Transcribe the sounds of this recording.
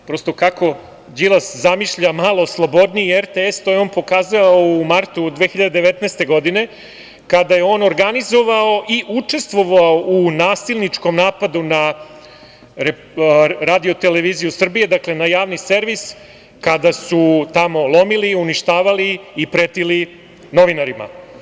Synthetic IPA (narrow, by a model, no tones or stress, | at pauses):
pɾo̞st̪o̞kako̞ | d͡ʑilˠaszamiʃʎamaːlo̞slˠo̞bo̞d̪niieɾt̪eest̪ojeo̞ːnpo̞kaːzaʋaoumaɾt̪ud̪ʋeːxiʎad̪ed̪eʋet̪nɛːst̪e̞ɡo̞d̪ine̞ | kad̪aje̞o̞ːno̞ɾɡanizo̞ʋao̞ʔiʔut͡ʂe̞st̪ʋo̞ʋaounaːsilˠnit͡ʂko̞mnaːpad̪una | ɾe | ɾaːd̪io̞t̪e̞le̞ʋizijusr̩bije̞d̪akle̞najaːʋnise̞ɾʋis | kad̪asut̪amo̞lˠo̞miliuniʃt̪aːʋaliːpɾet̪ili | no̞ʋinaɾima̰